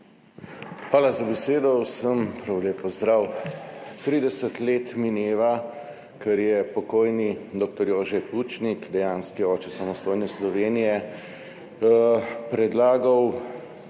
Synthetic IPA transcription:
xʋaːlazabɛseːd̪ɔwsəmpɾawleːpɔzd̪ɾaw | t̪ɾiːd̪ɛsət̪leːt̪minjeːʋa | kɛɾjɛpɔkoːjnid̪ɔːk̚t̪ɔɾjoːʒɛpuːt͡ʃnikd̪ɛjaːnskiɔːt͡ʃɛsamɔst̪oːjnɛslɔʋeːnijɛ | pɾɛd̪laːɡɐw

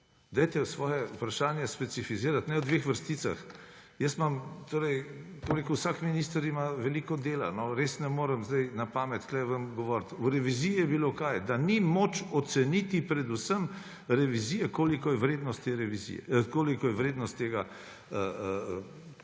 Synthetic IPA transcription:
d̪ajt̪ɛsʋɔːjɛupɾaʃaːnjɛspɛt̪sifiziːɾat̪nɛwd̪ʋexʋəɾst̪iːt̪sa̰xjəst̪mamt̪oːɾɛjkobɾeːkuwsakminiːst̪əɾimaʋɛlikɔd̪eːla̰nɔɾesnɛmoːɾəmzd̪ɛjnapamɛt̪klɛʋəmɡɔʋɔɾt̪uɾɛʋizijijɛbilokajd̪animot͡ʃɔt̪sɛnit̪ipɾɛd̪usəm | ɾɛʋizijɛkolikɔjɛʋɾeːd̪nɔst̪ːeɾɛʋizḭkoːlikɔjɛʋɾeːd̪nɔst̪ːeːɡa | əə

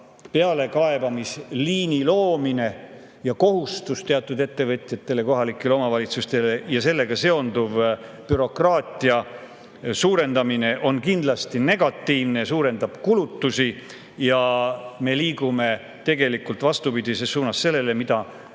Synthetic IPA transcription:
peɑle̞kɑe̞bɑmisliːnilo̞ːmine̞ | jɑko̞ɦust̪ust̪e̞ɑt̪ːˑud̪e̞t̪ːe̞vɤt̪ʲˑjɑt̪ːe̞le̞ko̞ɦɑlikːˑe̞leo̞mɑvɑlʲit̪sust̪e̞lejɑse̞lːe̞ɡ̥ɑse̞o̞nd̪uv | pyɾo̞krɑːt̪ʲˑiɑ | suːɾe̞nd̪ɑmine̞ʔo̞nkind̪̥lɑst̪ine̞ɡ̥ɑt̪ːˑiːvnesuːɾe̞nd̪ɑb̥kulut̪ːusi | jɑme̞liːɡume̞ | t̪e̞ɡe̞likult̪vɑst̪upid̪̥isessuːnɑsːe̞lːe̞lemid̪̥ɑ

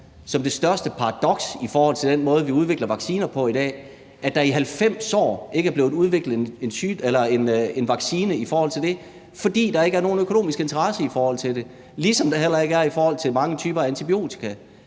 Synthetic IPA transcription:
sɒ̽md̥e̝sd̥ɶɐsd̥əpʰɑ̈ʁɑ̈d̥ɒ̽ɡ̥sifɒːhɒ̽l̰t͡sʰe̝ld̥enmɔ̽ːð̞ˠʋiuð̞ˠʋe̝ɡ̥lɐʋɑ̈ɡ̥siːnɐpʰɒ̽id̥ɛ̰ː | æd̥ɑ̈iɦælfem̰sɒ̰ːe̝ɡəæɐble̝ːð̩ˠuð̞ˠʋe̝ɡ̥ləð̩ˠene̝nt͡sʰyːelɐene̝nʋɑ̈ɡ̥siːnəifɒːhɒl̰t͡sʰe̝ld̥e̝ | fɒ̽d̥ḭːd̥ɑ̈e̝ɡ̥əæɐno̝ːn̩økʰo̝no̝̰ːmisɡ̥e̝nt͡sʰɐʁɑsəifɒːhɒ̽l̰t͡sʰe̝de̝ | lisɒ̽md̥eɦel̰ɐe̝ɡəæɐifɒːhɒ̽l̰t͡sʰe̝lmɑ̈ŋət͡sʰyːb̥ɐæænt͡sʰib̥io̝̰ːt͡sʰi̥kʰæ

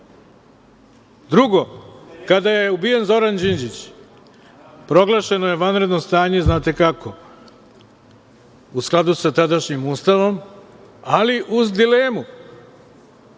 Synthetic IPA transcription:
d̪ɾuɡo̞kad̪ajeubije̞nzo̞ɾand͡ʑind͡ʑit͡ɕ | pɾo̞ɡlˠaʃe̞noje̞ʋanɾe̞d̪no̞st̪aːɲe̞znaːt̪e̞kako̞ | usklˠad̪usat̪ad̪aʃɲimuːst̪aʋo̞m | aliʔuzd̪ile̞ːmu

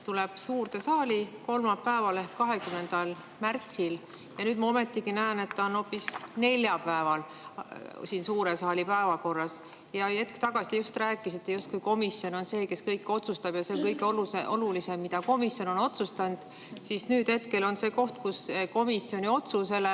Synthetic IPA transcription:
t̪uleb̥suːrt̪esɑːlʲiko̞lmɑpːæevɑlehkkɑɦe̞kymne̞nd̪ɑl | mært̪sil | jɑnyːd̪mɑo̞me̞t̪ːiɡinæene̞t̪ːɑonho̞pːisne̞lʲjɑpæevɑl | siːnsuːɾesɑːlʲipæevɑko̞rːɑs | jɑe̞t̪kt̪ɑɡ̥ɑsit̪ejust̪ræːkːˑisit̪ːe̞just̪̚kujko̞misjo̞no̞nse̞ːke̞skɤjkːˑo̞t̪sust̪ɑb̥jɑse̞ŋkɤjɡeoluseʔo̞lulise̞mːid̪ɑko̞misjo̞no̞no̞t̪sust̪ɑnd̪̥ | sisnyːd̪̥he̞t̪ke̞lo̞nse̞ːko̞ht̪kuseko̞misːjo̞nio̞t̪suse̞le

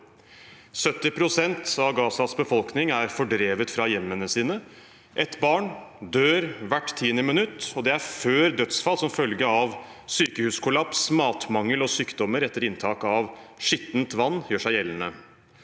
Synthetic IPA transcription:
sœt̪ːɪpʰɾʊsɛnt̪ɑʋɡɑːsɑsbəfɔlknɪŋæɾfɔɖɾeːʋət̪fɾɑjɛmːənəsiːnə | ʔɛt̪bɑːɳd̪øːɾʋæʈːt̪ʰiːənəmɪnʉt̪ːɔd̪ɛæɾføːɾd̪œt̪sfɑlsɔmfœlɡəɑʋsyːkəhʉːskʰʊlɑpsmɑːt̪mɑŋːəlɔsyːkd̪ɔməɾɛt̪ːəɾɪnt̪ʰɑːkɑʋʂɪt̪nt̪ʋɑnːjøːʂæɪjɛlːənə

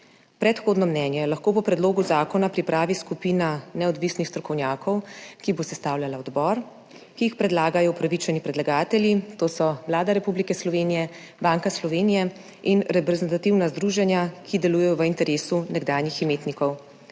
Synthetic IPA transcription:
pɾɛt̪xoːd̪nɔmnɛːnjɛlaxkoːpɔpɾɛd̪loːɡuzaːkɔnapɾipɾaːʋiskupiːnanɛɔd̪ʋisnixst̪ɾɔkɔwnʲjaːkʰɔwkibosɛst̪aːwljalaɔd̪bɔɾ | kiixpɾɛd̪laːɡajɔupɾaʋit͡ʃɛnipɾɛd̪laɡaːt̪ɛljit̪oːsɔwlaːd̪aɾɛpublikɛslɔʋenijɛ | baːŋkaslɔʋeːnijɛ | inɾɛpɾɛzɛnt̪at̪iwnazd̪ɾuːʒɛnjakʰid̪ɛluːjɛjɔʋəint̪ɛɾeːsunɛɡd̪aːjniximeːt̪nikɔw

